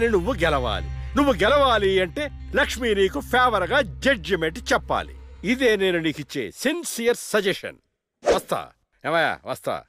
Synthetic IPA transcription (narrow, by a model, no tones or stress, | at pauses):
ninuʋːuɡɛlɐʋa̰ːlḭnuʋːuɡɛlɐʋaːliɐɳʈe̞ːlɐkʂmiːniːkupʰeːʋɐɾɐɡaːd͡ʒɐd͡ʒɐmeɳʈt͡ʃɛpːa̰ːlḭid̪e̞ːne̞ːnunikit͡ʃːḛːsinsijɐɾsɐd͡ʒeʂɐ̰n | ʋɐst̪a̰ː | ɛmɐja̰ːʋɐst̪a̰ː